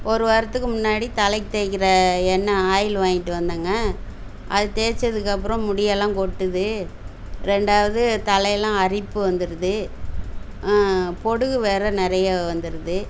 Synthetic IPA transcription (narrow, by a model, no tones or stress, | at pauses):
ɔɾɯʋɐɾɐt̪ːɯkːɯmʊnːaːɽit̪ɐlɐɪkːt̪eːkːɪɾɐɛnːɐaːjɪlʋaːŋɡɪʈːɯʋɐnd̪aːŋɡɐ | ʔɐðɯt̪eːɾt͡ʃːɐðɯk̬ːɐp̬ːɯɾɔ̃mʊɽɪjɐlãːkɔʈːɯðɯ | ɾɛɳɖaːʋɐðɯt̪ɐlɐjlãːɐɾɪpːɯʋɐnd̪ɯɾɯðɯ | pɔɽɯɣɯʋeːɾɐnɪɾɐjaʋɐnd̪ɯɾɯðɯ